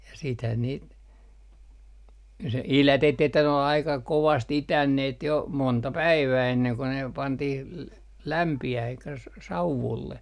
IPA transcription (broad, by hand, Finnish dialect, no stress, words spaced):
jɑ siːthæn niːt se ilætetːiː etːæ ne ol ɑikɑ koʋɑst itænːeːt jo montɑ pæiʋæː enːeŋ ko ne pɑntih l læmpiæh elikːæ s s sɑuʋulːe